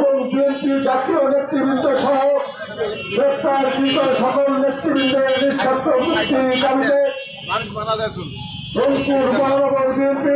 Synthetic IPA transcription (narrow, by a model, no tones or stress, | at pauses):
boŋbiempid͡ʑat̪ionet̪ːɾibind̪eʃɔɦo | ɡɾept̪aɾkikoɾeʃɔkolnet̪ːɾibind̪enitʰːat̪ːopust̪ikaɾit̪e | ɾonpuɾbɔnɾɔbaɾb̪ienpi